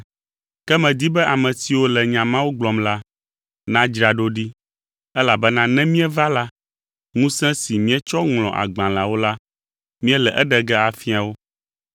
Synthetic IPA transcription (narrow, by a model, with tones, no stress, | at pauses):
kɛ˦mɛ̃˨d̪i˦bɛ˦ʔa˨mɛ̃˨si˨wo˦lɛ˨ɲã˨mã˦wo˦ɡ͡blɔ˨mla˦ | nã˦d͡ʒɾa˨ɖo˦ɖi˦ | ɛ˦la˨bɛ˦nã˦nɛ̃˦mĩ˦ɛ˦va˦la˦ | ŋũ˦sɛ̃˦si˨mĩ˦ɛ˦t͡ʃɔ˦ŋlɔ̃˨ʔa̰˨ɡ͡bã˨la˨wo˦la˦ | mĩ˦ɛ˦lɛ˨ʔɛ˦ɖɛ˨ɡɛ˦a˨fi˦a˨wo˦